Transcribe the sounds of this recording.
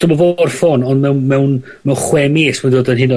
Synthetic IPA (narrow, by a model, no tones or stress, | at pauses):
d̥ʊmɔvorfoːnɔndmɛwnmɛwn | mɛwnχwɛmeːsmɛdoːdənɦɪnɔ